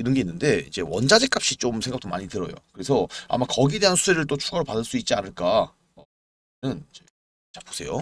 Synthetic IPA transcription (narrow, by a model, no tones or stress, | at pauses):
iɾʌnɡe̞inːɯnde̞id͡ʑe̞̰wʌnd͡ʑad͡ʑek͈ap̚ɕ͈it͡ɕomsʰe̞ŋɡak̚t͈omaɲitɯɾʌjo̰kɯɾe̞sʰʌa̰makʌɡiede̞ɦansʰuseɾɯɭt͈ot͡ɕʰuɡaɾoɭpadɯɭs͈uit̚t͡ɕianɯɭk͈a | ʌ | nɯnid͡ʑe | t͡ɕapo̥sʰe̞jo̰